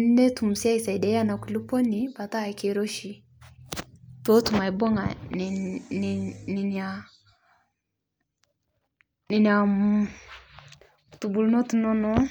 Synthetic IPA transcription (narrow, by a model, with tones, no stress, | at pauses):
n˦dɛ˦tu˨mu˨sja˦i˨sa˨i˨dɛ˨˦ja˦na˨ku˨lu˦po˦ni˨pa˨ta˦˨ke˨ɾo˦ʃi˨ | to˦tu˨ma˨i˨bɔ˦ŋa̰˨n˨n˨ni˨na˨ | ni˨ni˨a˨m | tu˨bu˨lu˦no˦tu˨nɔ˦nɔ˦